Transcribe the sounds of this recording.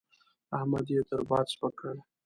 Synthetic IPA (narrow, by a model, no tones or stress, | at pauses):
ahmad̪jet̪əɾbɑːd̪spakəɽ